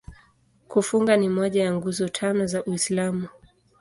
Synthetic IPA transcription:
kufuŋɡanimɔʄajaŋɡuzɔtʰanɔzaʔuislamu

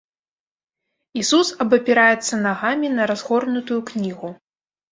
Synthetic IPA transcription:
isusɐbɐpʲɛɾajɛt̪sːɐnaɣamʲinɐɾazɣɔrnut̪ujuknʲiɣu

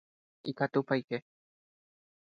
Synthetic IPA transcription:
ikat̪upajke

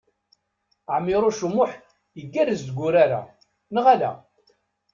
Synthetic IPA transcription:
ʕmːɪɾˤuʃumːʊħ | jəɡːæɾəzd̪ɡʷʊɾaɾa̰ | nəʁalæ̰

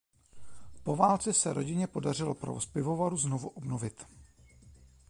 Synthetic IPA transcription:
po̞vaːlt͡sɛsɛɾo̞ɟɪɲɛpo̞dar̝ɪlopɾo̰vospɪvo̞vaɾuznovuʔobnovɪt̪

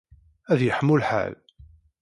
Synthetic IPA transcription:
æðjəħəmːulħa̰l

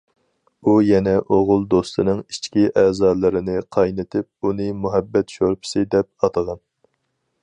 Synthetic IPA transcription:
ujɛnɛʔoʁʊlˠd̪ost̪ʰɨnɨŋit͡ʃkʲiʔɛːzɑːɾlˠɨɾɪnɪqʰɑjnɪt̪ʰɪp̚unɨmuɦɛbːɛt̪ʃoɾpʰɪ̥sɨd̪ɛp̚ɑt̪ʰəʁɑn

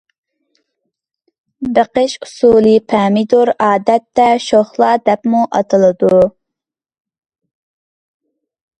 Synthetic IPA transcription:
bəqəʃusulˠɨpʰɛːmid̪oɾɑːd̪ɛt̪ːɛʃoχlˠɑd̪ɛpmuʔɑt̪ʰɨlˠɨd̪u

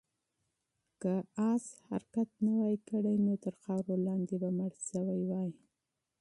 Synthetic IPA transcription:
kaɑsha̰ɾkat̪nawajkəɽajnot̪əɾxɑwɾolɑnd̪ebamaɽʃəwajwɑj

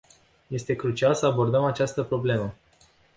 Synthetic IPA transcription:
je̞st̪e̞kɾut͡ʃialsəabo̞rd̪əmat͡ʃast̪əpɾo̞ble̞mə

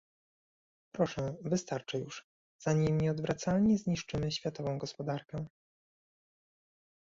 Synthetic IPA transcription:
pɾɔʂɛ̃vɘst̪aɾt͡ʂɛjuʂ | z̥aɲimɲɛɔd̪vɾʔat̪salɲɛzɲiʂt͡ʂɘmɘɕfʲjat̪ɔvɔ̃w̃ɡɔspɔd̪aɾkɛ

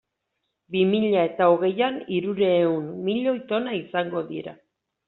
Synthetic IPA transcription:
bimiʎae̞t̪aoɣ̞e̞janiɾuɾeːunmːiʎo̞it̪o̞naisaŋɡo̞ðiɾa̰

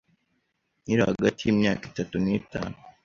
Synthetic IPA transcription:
niɾahaɡatijimɲa̰ːki̥tatunita̰ːnu

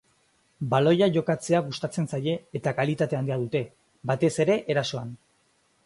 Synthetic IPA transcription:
balo̞jaʝo̞kat͡se̞aɣust̪at͡se̞nsaje̞ːt̪akalit̪at̪e̞and̪iað̞ut̪e̞ | bat̪e̞se̞ɾe̞ʔeɾaso̞an

